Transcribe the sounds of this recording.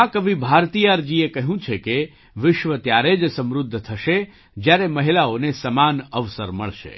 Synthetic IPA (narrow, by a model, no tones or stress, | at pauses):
akəʋĩbʱaɾt̪ijaɾd͡ʒiekəɦũt͡ʃʰeke | ʋɪʃʋət̪jaɾed͡ʒsəmɾʊd̪ʱːt̪ʰəʃe | d͡ʒjaɾeməɦilaonesəmanəʋsəɾmə̰ɭʃḛ